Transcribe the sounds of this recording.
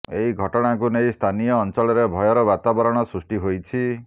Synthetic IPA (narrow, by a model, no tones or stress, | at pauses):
eɦiɡʱɔʈɔɽ̃ak̬unejst̪ʰanijɔːnt͡ʃɔɭɔɾebʱɔjɔɾɔbat̪abɔɾɔɽ̃ɔsɾusʈiɦojt͡ʃʰi